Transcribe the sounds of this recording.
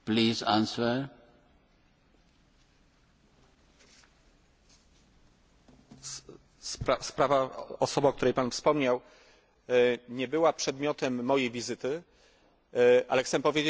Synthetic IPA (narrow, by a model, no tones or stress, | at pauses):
pliːzãnsə | saspɾavaɔsɔbak̚t̪uɾɛjpanfspɔmɲaw | ɲɛbɘwapʂɛd̪mʲjɔt̪ɛmːɔjejvʲizɘt̪ɘ | ʔa̰lɛxt̪sɛpɔvʲjed͡ʑe